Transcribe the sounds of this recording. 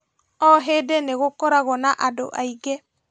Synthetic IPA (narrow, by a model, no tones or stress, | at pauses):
ɔɦedɛneɣokɔɾaɣɔnaʔado̰ʔaiɡɛ